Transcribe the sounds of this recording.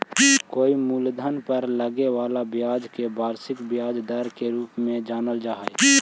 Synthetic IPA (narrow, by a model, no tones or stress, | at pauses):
koːimuːld̪ʱənpəɾləɡewaːlabɪjaːd͡ʒkebaːɾsɪkbjaːd͡ʒd̪əɾkeɾuːpmẽd͡ʒaːnəld͡ʒaːɦe